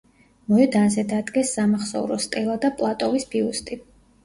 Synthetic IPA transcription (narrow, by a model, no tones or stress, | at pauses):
mɔɛd̪anzɛd̪ad̪ɡɛsːamaχsɔ̰uɾɔst̪ʼɛlˠad̪apʼlˠat̪ʼɔvisbiust̪ʼi